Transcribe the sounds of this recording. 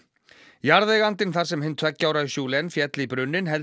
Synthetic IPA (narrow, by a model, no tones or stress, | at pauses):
jaɾðeɣant̪ɪnθaɾ̥sɛmhɪnt̪ʰvɛcːawɾaðʏsjuːlɪɛnfjɛt̪lipɾʏnːɪnɦɛl